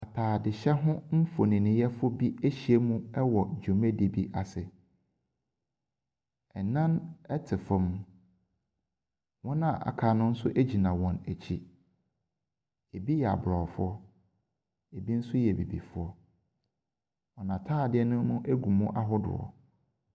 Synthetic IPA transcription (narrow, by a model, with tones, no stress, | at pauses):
a˨tʰaː˨dɪ˨ɕɛ˦ɦʊ̃˦m̩˦fo˨nĩ˨nɪ̃˨jɛ˦fʊ˦bi˦æ˦ɕi˨e˦mũ˦ɛ˦wɔ˨d͡ʑᶣu˨mẽ˦di˨bi˦ʔa˨sɪ˨ | ɛ˨nã˦nɛ˦tʰɪ˨fɔ̃˨˦m˦ | wɔ̃˦nã˨ʔa̰˨kʰaː˨nʊ̃˦n̩˦sʊ˦ʔe˦d͡ʑi˨nã˨wɔ̃˨næ˨t͡ɕʰi˦ | e˨bi˦jɛ˨a̰˨bɾɔ˨fʊ˦ɔ˦ | e˨bi˦n̩˦sʊ˦jɛ˨bḭ˨bḭ˨fʊ˦ɔ˦ | wɔ̃˨nã˨tʰaː˦˨dɪ˦ɛ˦nʊ̃˦nʊ̃˦ʔe˦ɡu˨mũ˦ʔa˦ɦʊ˦dʊ̰˨ɔ̰˨